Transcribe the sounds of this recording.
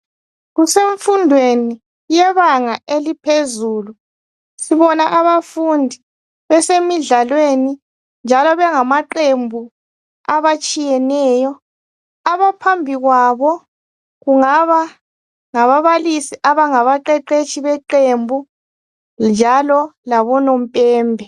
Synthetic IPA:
ɣuseɱfundʱweni | jɛβaŋaʔelipʰezuːlu | siβɔnaʔaβafundʱi | βɛsemiɮalweni | nd͡ʒʱalɔβɛŋamaǃembʱu | aβat͡ʃʼijɛnɛːjɔ | aβapʰambʱiɣwaβɔ | ɣuŋaβa | ŋaβaβalisiʔaβaŋaβaǃɛǃet͡ʃʰʼiβɛǃembʱu | nd͡ʒʱalɔlaβɔnom̩pʼɛːmbʱɛ

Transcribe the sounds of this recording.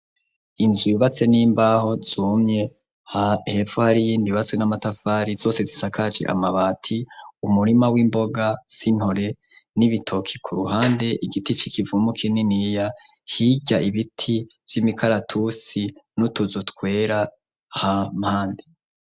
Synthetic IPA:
inzwiβat͡se̞niːmbaho̞z̥uːmɲe̞ | hahe̞fohaɾijiːndiβat͡swenamatafaːɾizo̞ːse̞zisakad͡ʒḛʔa̰maβaːtʰiumuɾimawiːmbo̞ɡasin̥hoɾe̞ | niβitʰo̞kʰi̥kʰuɾuhaːnde̞ʔiɡitit͡ʃikʰivumukʰininija | hiɟaʔiβitʰi | v̥jimikaɾatʰusinutuzutkwe̞ːɾa | hamhaːnde

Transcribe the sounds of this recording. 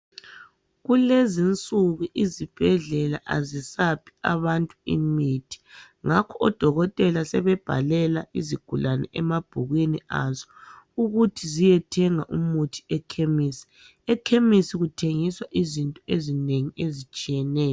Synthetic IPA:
ɣulezint͡sʼuɣuʔizib̥ʱɛɮɛlaʔazisapʰi̥a̰βantʼuḭmitʰi̥ | ŋakʰɔɔd̥ʱɔɣɔtʼɛlasɛβɛb̥ʱa̰lɛlaiziɡ̥ʱulanɛ̰ʔɛmab̥ʱuɣwinia̰zɔ | uɣutʰizijɛtʰɛŋaʔumutʰi̥ɛkʰemisi̥ | ɛkʰemisiɣutʰeŋiswaʔizintʼɔezineŋiezit͡ʃʼijɛnɛːjɔ

